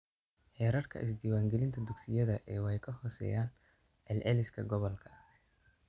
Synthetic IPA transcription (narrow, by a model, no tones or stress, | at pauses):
ħɛːɾɐrkʰɐ̰ʔɪ̰s̬d̪iːwaːŋɡɛlɪnt̪ʰɐd̪ʊɡsɪjɐðɐʔɛːwɛjkʰɐɦɔːsɛ̰ːjaːn | ʕɛlʕɛlɪskʰɐɡɔβɔlkʰɐ̥